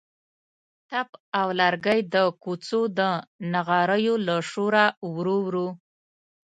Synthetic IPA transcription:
t̪apawlaɾɡəjd̪əkut͡sod̪ənaɣɑɾəjolaʂoɾawɾowɾu

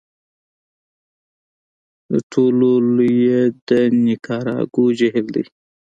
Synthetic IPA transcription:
d̪ə̰ʈʰololujed̪ənikʰɑːɾɑ̰ːɡud͡ʒeɦild̪ḭ

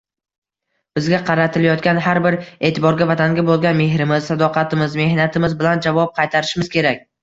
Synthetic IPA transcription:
b̥ɪzɡʲaqʰɑɾat̪ʰɪlajɒt̪̚kʲanɦaɾbɪɾe̞ːt̪ʰɪbɒɾɡʲavat̪ʰaŋɡʲabolˠɡʲanme̞ɦɾɪmɪzsad̪ɒqʰɑt̪ʰɪmɪzme̞hnat̪ʰɪmɪzbɪland͡ʒavɒp̚qʰɑjt̪ʰaɾɪʃɪmɪz̥kʲʰe̞ɾakʲ

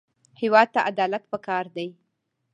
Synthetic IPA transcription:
hɪwɑd̪̚t̪ːaʔad̪ɑlat̪pəkɑɾd̪aj

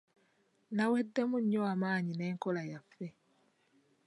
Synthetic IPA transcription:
nawedːemuɲjoamaːɲine̞ːŋkolajafːe

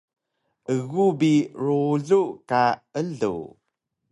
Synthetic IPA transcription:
ʔəɣubiɾuɮukaəɮṵ

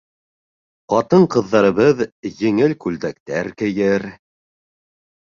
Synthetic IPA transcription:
qɑt̪ɤɴqɤ̆ðːɑɾɤ̆βɤðjɘ̆ŋɘlkʉld̪æk̚t̪æɾkɘ̆jɘɾ

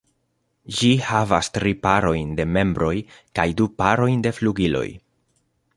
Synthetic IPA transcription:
d͡ʒihavastɾipaɾo̞jnde̞me̞mbɾo̞jkajdupaɾo̞jnde̞fluɡilo̞̰j

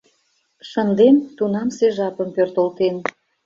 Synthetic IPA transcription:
ʃənd̪ent̪unɑmseʒɑpəmpørt̪olt̪en

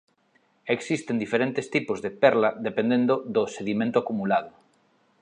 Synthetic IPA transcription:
eksist̪end̪ifeɾent̪est̪ipozðepɛɾlaðepẽnd̪ẽnd̪oðoseðimẽnt̪oakumulað̞ʊ

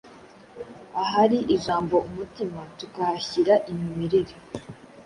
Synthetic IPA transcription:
aɦaɾiʔiʒaːmbo̞umutimatukahaçiɾaʔimimiɾeɾi

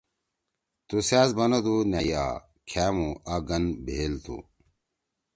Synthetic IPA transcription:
t̪usaːsbɐnod̪unaja̰ː | kʰaːmuʔaɡɐnbʱeːlt̪ṵ

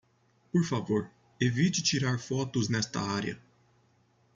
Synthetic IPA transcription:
poɾfavoɾ | evit͡ʃɪt͡ʃiɾaɾfɔt̪ʊznɛst̪ɐ̰aɾjɐ̰

